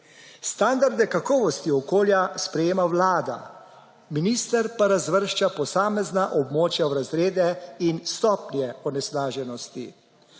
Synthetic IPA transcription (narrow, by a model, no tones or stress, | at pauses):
st̪and̪aɾd̪ɛkakɔːʋɔst̪iɔkoːljaspɾɛjeːmawlaːd̪a̰ | miniːst̪əɾpaɾazʋəɾʃt͡ʃapɔsaːmɛznaʔɔbmoːt͡ʃjawɾazɾeːd̪ɛinst̪ɔːpnjɛɔnɛslaːʒɛnɔst̪i